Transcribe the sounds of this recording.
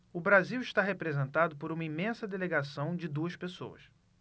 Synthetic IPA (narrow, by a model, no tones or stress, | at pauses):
ʊbɾaziwɪʃt̪aɦepɾezẽnt̪ad̪ʊpoɾũmɐimẽsɐd̪eleɡasɐ̃w̃d͡ʒɪd̪uɐʃpeso̰ɐ̰s